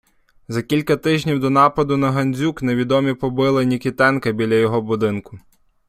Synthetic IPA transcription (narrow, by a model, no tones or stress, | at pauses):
zɐkʲilʲkɐt̪ɪʒʲnʲiwd̪ɔnɑpɐd̪ʊnɐɦɐnʲzʲukneʋʲid̪ɔmʲipɔbɪlˠɐnʲikʲit̪ɛnkɐbʲilʲɐjɔɦɔbʊd̪ɪnkʊ